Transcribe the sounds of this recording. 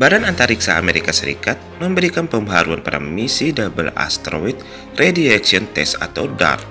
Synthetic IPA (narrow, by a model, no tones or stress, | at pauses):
badanant̪aɾiksa̰ːmeɾikasəɾḭkat̪̚məmbəɾikanpəmbəɦaɾuanpaɾa̰misidabəla̰st̪ɾoit̪̚ | rediaksiɔnt̪ɛsa̰t̪awda̰r